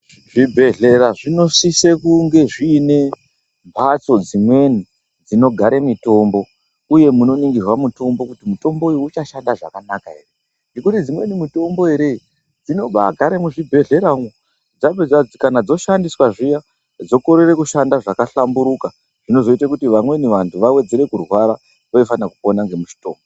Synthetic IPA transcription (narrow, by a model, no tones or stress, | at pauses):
ʐibʱe̞ɮe̞ɾaʐino̞sisekuŋɡe̞ʐiːne̞ | mpʰat͡so̞d͡zimwe̞ni | d͡zino̞ɡʱaɾemito̞mbo̞ | uje̞muno̞niŋɡirwamuto̞mbokutimuto̞mbo̞ujuut͡ʃaʃandaʐa̰kanakae̞̰re | ŋɡe̞kutid͡zimwe̞nimuto̞mbo̞e̞ɾe̞ | d͡zino̞ɓa̰ɡʱaɾemuʐibʱe̞ɮe̞ɾaŋwo | d͡zabʱeakanad͡zo̞ʃandiswaʐija | d͡zo̞ko̞ɾe̞re̞kuʃandaʐakaɬambuɾuka | ʐ̥ino̞zo̞itakutiʋamwe̞niʋantʰuʋawe̞d͡ze̞ɾe̞kurwaɾa | koifanakupo̞naŋɡe̞muʃi̥to̞ːmbo